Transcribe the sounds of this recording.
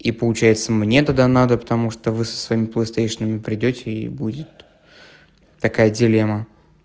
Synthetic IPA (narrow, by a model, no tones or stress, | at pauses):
ipəlˠʊt͡ɕæjɪt̪səmnʲe̞t̪ɐd̪anad̪əpə̥t̪ɐmuʂt̪ovɨsə̥svɐimʲɪplˠəjst̪ejʂɨnəmʲɪpɾʲɪdʲotʲɪḭbudʲɪt̪ | t̪ɐkajədʲɪlʲemə